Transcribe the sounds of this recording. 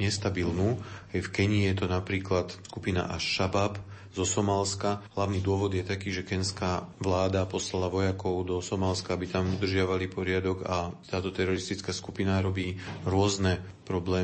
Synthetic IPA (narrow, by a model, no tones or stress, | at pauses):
ɲɛst̪abilnuɛjfkɛɲijɛt̪ɔnapɾiːklat̪skupina̰ʔaʃːabap | zɔsɔmaːlskaɦlaʊniːd̪ʊɔʋɔd̪jɛt̪akiːʒɛkɛnskaʋlaːd̪apɔslalaʋɔjakɔʊd̪ɔsɔmaːlskaabit̪amud̪r̩ʒɪaʋalipɔɾɪad̪ɔɡat̪aːt̪ɔt̪ɛɾɔɾist̪it͡skaskupinaɾɔbiːɾʊɔznɛ | pɾɔblɛː